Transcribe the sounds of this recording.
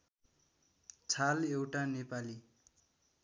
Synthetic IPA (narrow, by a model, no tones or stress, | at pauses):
t͡sʰalewʈanepali